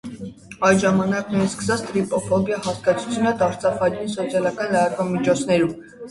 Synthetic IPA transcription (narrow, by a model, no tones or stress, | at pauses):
ɑjʒɑmɑnɑknɛjskə̥sɑt͡sʰt̪ɾipɔfɔbjɑhɑskɑt͡sʰu̥t͡sʰjunət̪ɑɾt͡sɑfɑdinsɔt͡sʰjɑlɑkɑnləɾɑd̪vɑmit͡ʃʰɔt͡sʰnɛɾum